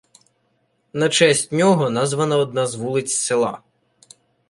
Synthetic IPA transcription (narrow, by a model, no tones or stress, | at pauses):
nɐt͡ʃɛsʲtʲnʲɔɦɔnɑzʋɐnɐɔd̪̚nɑzʋulˠɪt͡sʲsɪlˠɑ̰